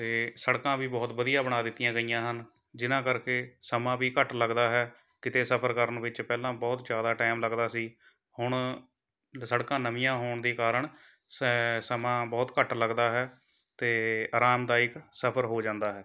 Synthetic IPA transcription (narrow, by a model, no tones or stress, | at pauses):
t̪eːsəɽkãːʋiːbɔːt̪bəd̪ijãːbəɽ̃aːd̪ɪt̪ːijãːɡəijãːɦən | d͡ʒɪnãːkəɾkeːsəmãːʋiːkəʈləɡd̪aːɦɛː | kɪt̪eːsəpʰəɾkəɾənʋɪt͡ʃpɛːlãːbɔːt̪d͡ʒjaːd̪aːʈɛːmləɡd̪aːsiː | hʊɳ | səɽkãːnəmɪjãːɦoːɳd̪iːkaːɾəɳ | ssəmãːbɔːt̪kəʈləɡd̪aːɦɛː | t̪eːaːɾaːmd̪aːɪksəpʰəɾɦoːd͡ʒãːnd̪aːɦɛː